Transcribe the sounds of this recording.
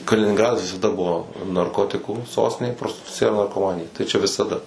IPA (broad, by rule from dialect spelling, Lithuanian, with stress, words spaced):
kɐlʲɪnʲɪŋˈɡrɑːdɐs ʋʲɪsɐˈdɐ ˈbuɔ nɐrˈkoːtʲɪkuː ˈsoːsʲtʲɪnʲeː proːsʲtʲɪˈtʊt͡sʲɪjɛ ɪr nɐrkoːˈmɑːnʲɪjɛ tɐɪ ˈt͡ʃʲɛ ʋʲɪsɐˈdɐ